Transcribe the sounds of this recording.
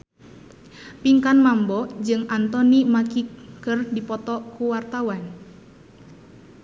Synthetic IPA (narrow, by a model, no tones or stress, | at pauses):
piŋkanmambɔd͡ʒɨŋant̪ɔnimakikɨrdipɔt̪ɔkuwart̪awan